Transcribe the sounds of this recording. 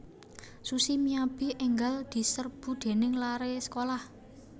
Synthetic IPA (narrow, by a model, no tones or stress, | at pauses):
susimiab̥iʔɛŋɡald̪̥i̤sərb̥ṳd̪̥e̤nɪŋlaɾesə̥kolah